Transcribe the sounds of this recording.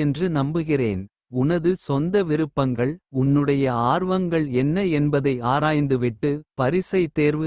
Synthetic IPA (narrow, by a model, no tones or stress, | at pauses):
ɛndrɯnɐmbɯɣɪrḛːn | ʊnɐðɯsɔnd̪ɐʋɪɾɯpːɐŋɡɐɭʊnːɯɽɐjɐaːɾʋɐŋɡɐɭɛnːɐɛnbɐðɐɪaːɾaːjnd̪ɯʋɪʈːɯpɐɾɪsɐɪt̪ːeːɾʋɯ